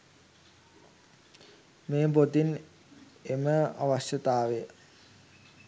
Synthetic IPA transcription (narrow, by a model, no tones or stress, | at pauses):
meːbot̪in | eməa̰ʋasjət̪aːʋe